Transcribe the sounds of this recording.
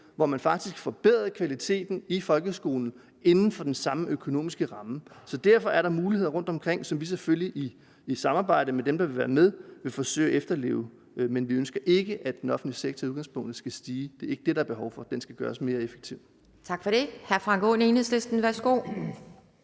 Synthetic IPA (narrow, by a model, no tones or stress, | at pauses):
ʋɒmænfɑ̈ɡ̥̚d̥isɡ̥fɒ̽b̥eð̰ˠɐkʰʋælit͡sʰe̝̰ːd̥n̩ifɒ̽lɡ̥əsɡ̥o̝̰ːln̩ | e̝nn̩fɒ̽d̥ensɑ̈məʔøkʰo̝no̝̰ːmisɡ̥əʁɑ̈məsɒ̽d̥æɐfɒ̽ʔæɐɾɑ̈muːlihe̝ð̰ˠɐʁɔ̽n̰d̥ɒ̽mkʰʁeŋ̰sɒ̽mʋis̬eføljiʔiː | sɑ̈mɑ̈ːb̥ɑ̈ɪ̰ɾəmed̥emd̥ɑ̈ʋe̝ʋæːɐmeðˠʋe̝fɒ̽sø̰ɪʔefd̥ɐle̝̰ːʊ | menʋiønsɡ̥ɐʔe̝ɡ̥əʔæd̥enɒ̽fn̩d̥liseɡ̥̚t͡sʰɒuðˠɡɑ̈ŋspʰɔ̽ŋ̰d̥ð̩ˠsɡ̥æsd̥iːd̥e̝ɐe̝ɡ̥əd̥e̝d̥ɾɑ̈æɐb̥e̝ɦɒʊfɒ̽d̥ensɡ̥æɡ̥ɶ̰ːɐsme̝ːɐefe̥ɡ̥̚t͡sʰiʊ̰̥ | t͡sʰɑ̈ɡ̥fɒ̽ɾ̥e̝hæɐfʁɑ̈ŋɡ̥ʰone̝ːnheslesd̥n̩ʋæsɡ̥o̝̰